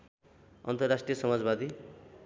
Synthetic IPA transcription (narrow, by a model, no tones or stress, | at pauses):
ʌ̰nt̪ʌrːasʈrijʌsʌmad͡zbad̪i